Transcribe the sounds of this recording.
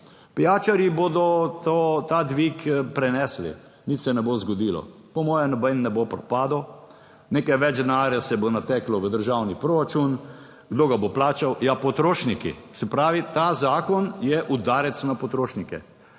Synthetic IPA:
pijaːt͡ʃaɾjiboːd̪ɔt̪ot̪ad̪ʋikpɾɛnɛːslḭ | nit̪sɛnɛbozɡɔd̪iːlɔ̰ | pɔmɔːjɛnɔbɛjnːɛbopɾɔpaːd̪o | neːkajʋɛd͡ʒd̪naːɾjɛsɛbonat̪ɛklɔʋəd̪əɾʒawnipɾoɾat͡ʃun | ɡd̪oːɡaboplaːt͡ʃawjapɔt̪ɾoːʃnikḭsɛpɾaːʋit̪azaːkɔnjɛʔud̪aːɾɛt̪snapɔt̪ɾoːʃnikɛ̰

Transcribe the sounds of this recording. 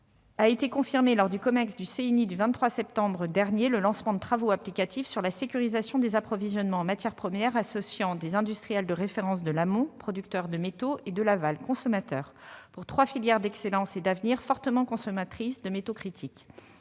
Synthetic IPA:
aet̪ekɔ̃fiʁmelɔʁd̪ykɔmɛʁsd̪ysenid̪yvɛ̃t̪ːχwasɛp̚t̪ɑ̃bʁəd̪ɛʁnjeləlɑ̃smɑ̃d̪ət̪χavoaplikat̪ifsyʁlasekʲyʁizasjɔ̃d̪ezapχɔvizjɔnmɑ̃ɑ̃mat̪jɛʁpχəmjɛʁasɔsjɑ̃d̪ezɛ̃d̪yst̪χijɛld̪əʁefeʁɑ̃s̬d̪əlamɔ̃pχɔd̪ykt̪œʁd̪əmet̪oed̪əlavalkɔ̃sɔmat̪œːʁ | puʁt̪χwafiljɛʁd̪ɛkselɑ̃sed̪avniʁfɔʁt̪əmɑ̃kɔ̃sɔmat̪χisd̪əmet̪okχit̪ʰik

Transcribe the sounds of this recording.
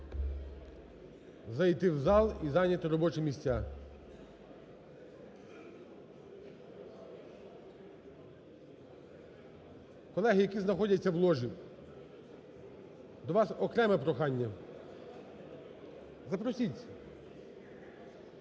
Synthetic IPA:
zɐjt̪ɪwzɑlˠizɑnʲɐt̪ɪɾɔbɔt͡ʃɪmʲisʲtʲa | kɔlˠɛɦɪjɐkʲiznɐxɔdʲɐt͡sʲːɐwlˠɔʒi | d̪ɔʋɑsɔkɾɛmɛpɾɔxɑnʲːɐ | zɐpɾɔsʲitʲ

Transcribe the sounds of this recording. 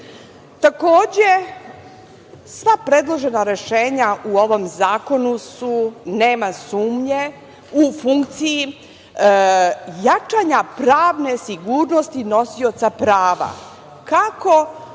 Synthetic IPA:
t̪ako̞ːd͡ʑe̞ | sʋapɾe̞d̪lˠo̞ʒe̞naɾeʃe̞ːɲauo̞ʋo̞mzaːko̞nusune̞ːmasuːmɲe̞ | ufuŋkt̪siji | jat͡ʃaɲapɾaːʋne̞siɡuːɾno̞st̪ino̞sio̞t̪sapɾaːʋa̰ | kako̞

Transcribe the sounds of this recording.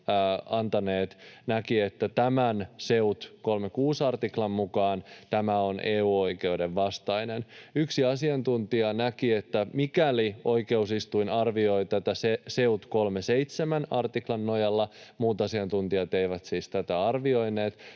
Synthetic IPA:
ɑnt̪ɑneːt̪nækiet̪ːæt̪æmænse̞ut̪ko̞lmekuːsɑrt̪iklɑmːukɑːnt̪æmæo̞nʔeːuːo̞jkeude̞ʋːɑst̪ɑjnenyksiɑsiɑnt̪unt̪iɑnækiet̪ːæmikælio̞ike̞usist̪uinɑrʋio̞jt̪æt̪æsese̞ut̪ko̞lmese̞jt̪semænɑrt̪iklɑnːojɑlːɑmuːt̪ɑsiɑnt̪unt̪iɑt̪eiʋæt̪siːst̪æt̪æɑrʋio̞jneːt̪

